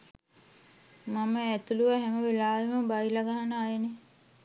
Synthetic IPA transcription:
maməæt̪uluʋəɦæməʋelaːʋeməbajlaɡaɦanəajene

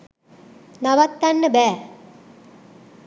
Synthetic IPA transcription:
naʋɐt̪ːɐnːəbɛː

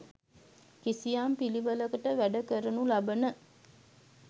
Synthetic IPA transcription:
kisijaːmpiliʋələkəʈəʋæɖəkəɾənulabənə

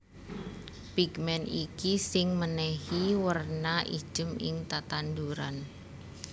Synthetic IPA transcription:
piɡmɛnikisɪŋmənɛhiwərnaʔḭ̥ʒ̥əmɪ̰ŋt̪at̪and̪uɾan

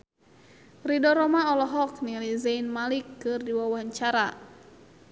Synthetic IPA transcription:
ridɔɾɔmaɔlɔɦɔknilizainmalikːɨrdiwawaɦaɲt͡ʃaɾa

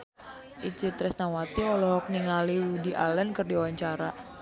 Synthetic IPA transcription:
ʔit͡ʃit̪ɾɛsnawat̪iɔlɔɦɔk̚niŋaliudiʔa̰lənkɨrdiawaɲt͡ʃaɾa

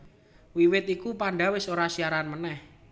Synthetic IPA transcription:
wiwɪt̪ikupanɖawɪsoɾasiaɾanmənɛh

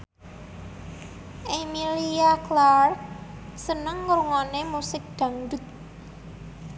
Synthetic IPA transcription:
ʔemiliaklar | sənəŋːɾuŋɔnemusɪk̚d̪̥ä̤ŋdʊ̤t̪̚

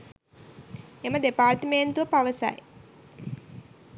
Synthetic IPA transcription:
emɐd̪epaːɾt̪əment̪uʋəpaʋəsa̰je

